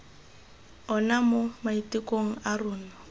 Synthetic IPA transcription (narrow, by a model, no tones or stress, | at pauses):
ɔnamomaitʼɪkʼoŋ̩arʊːnɔ